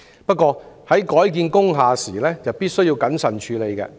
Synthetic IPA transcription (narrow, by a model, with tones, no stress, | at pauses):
pɐ˥t̚kɔː˧hɐ˨˥jkɔː˨˥jkiː˨˧nkʊ˥ŋɦaː˨˧siː˨˩lɛː˥t͡sɐ˨wpiː˥t̚sɵ˥jiː˧wkɐ˨˥nsɐ˨˩nt͡ʃʰyː˨˧le˨˧jkɛ̰ː˧